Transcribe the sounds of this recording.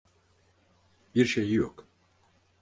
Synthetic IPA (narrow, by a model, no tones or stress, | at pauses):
biɾʃe̞jijok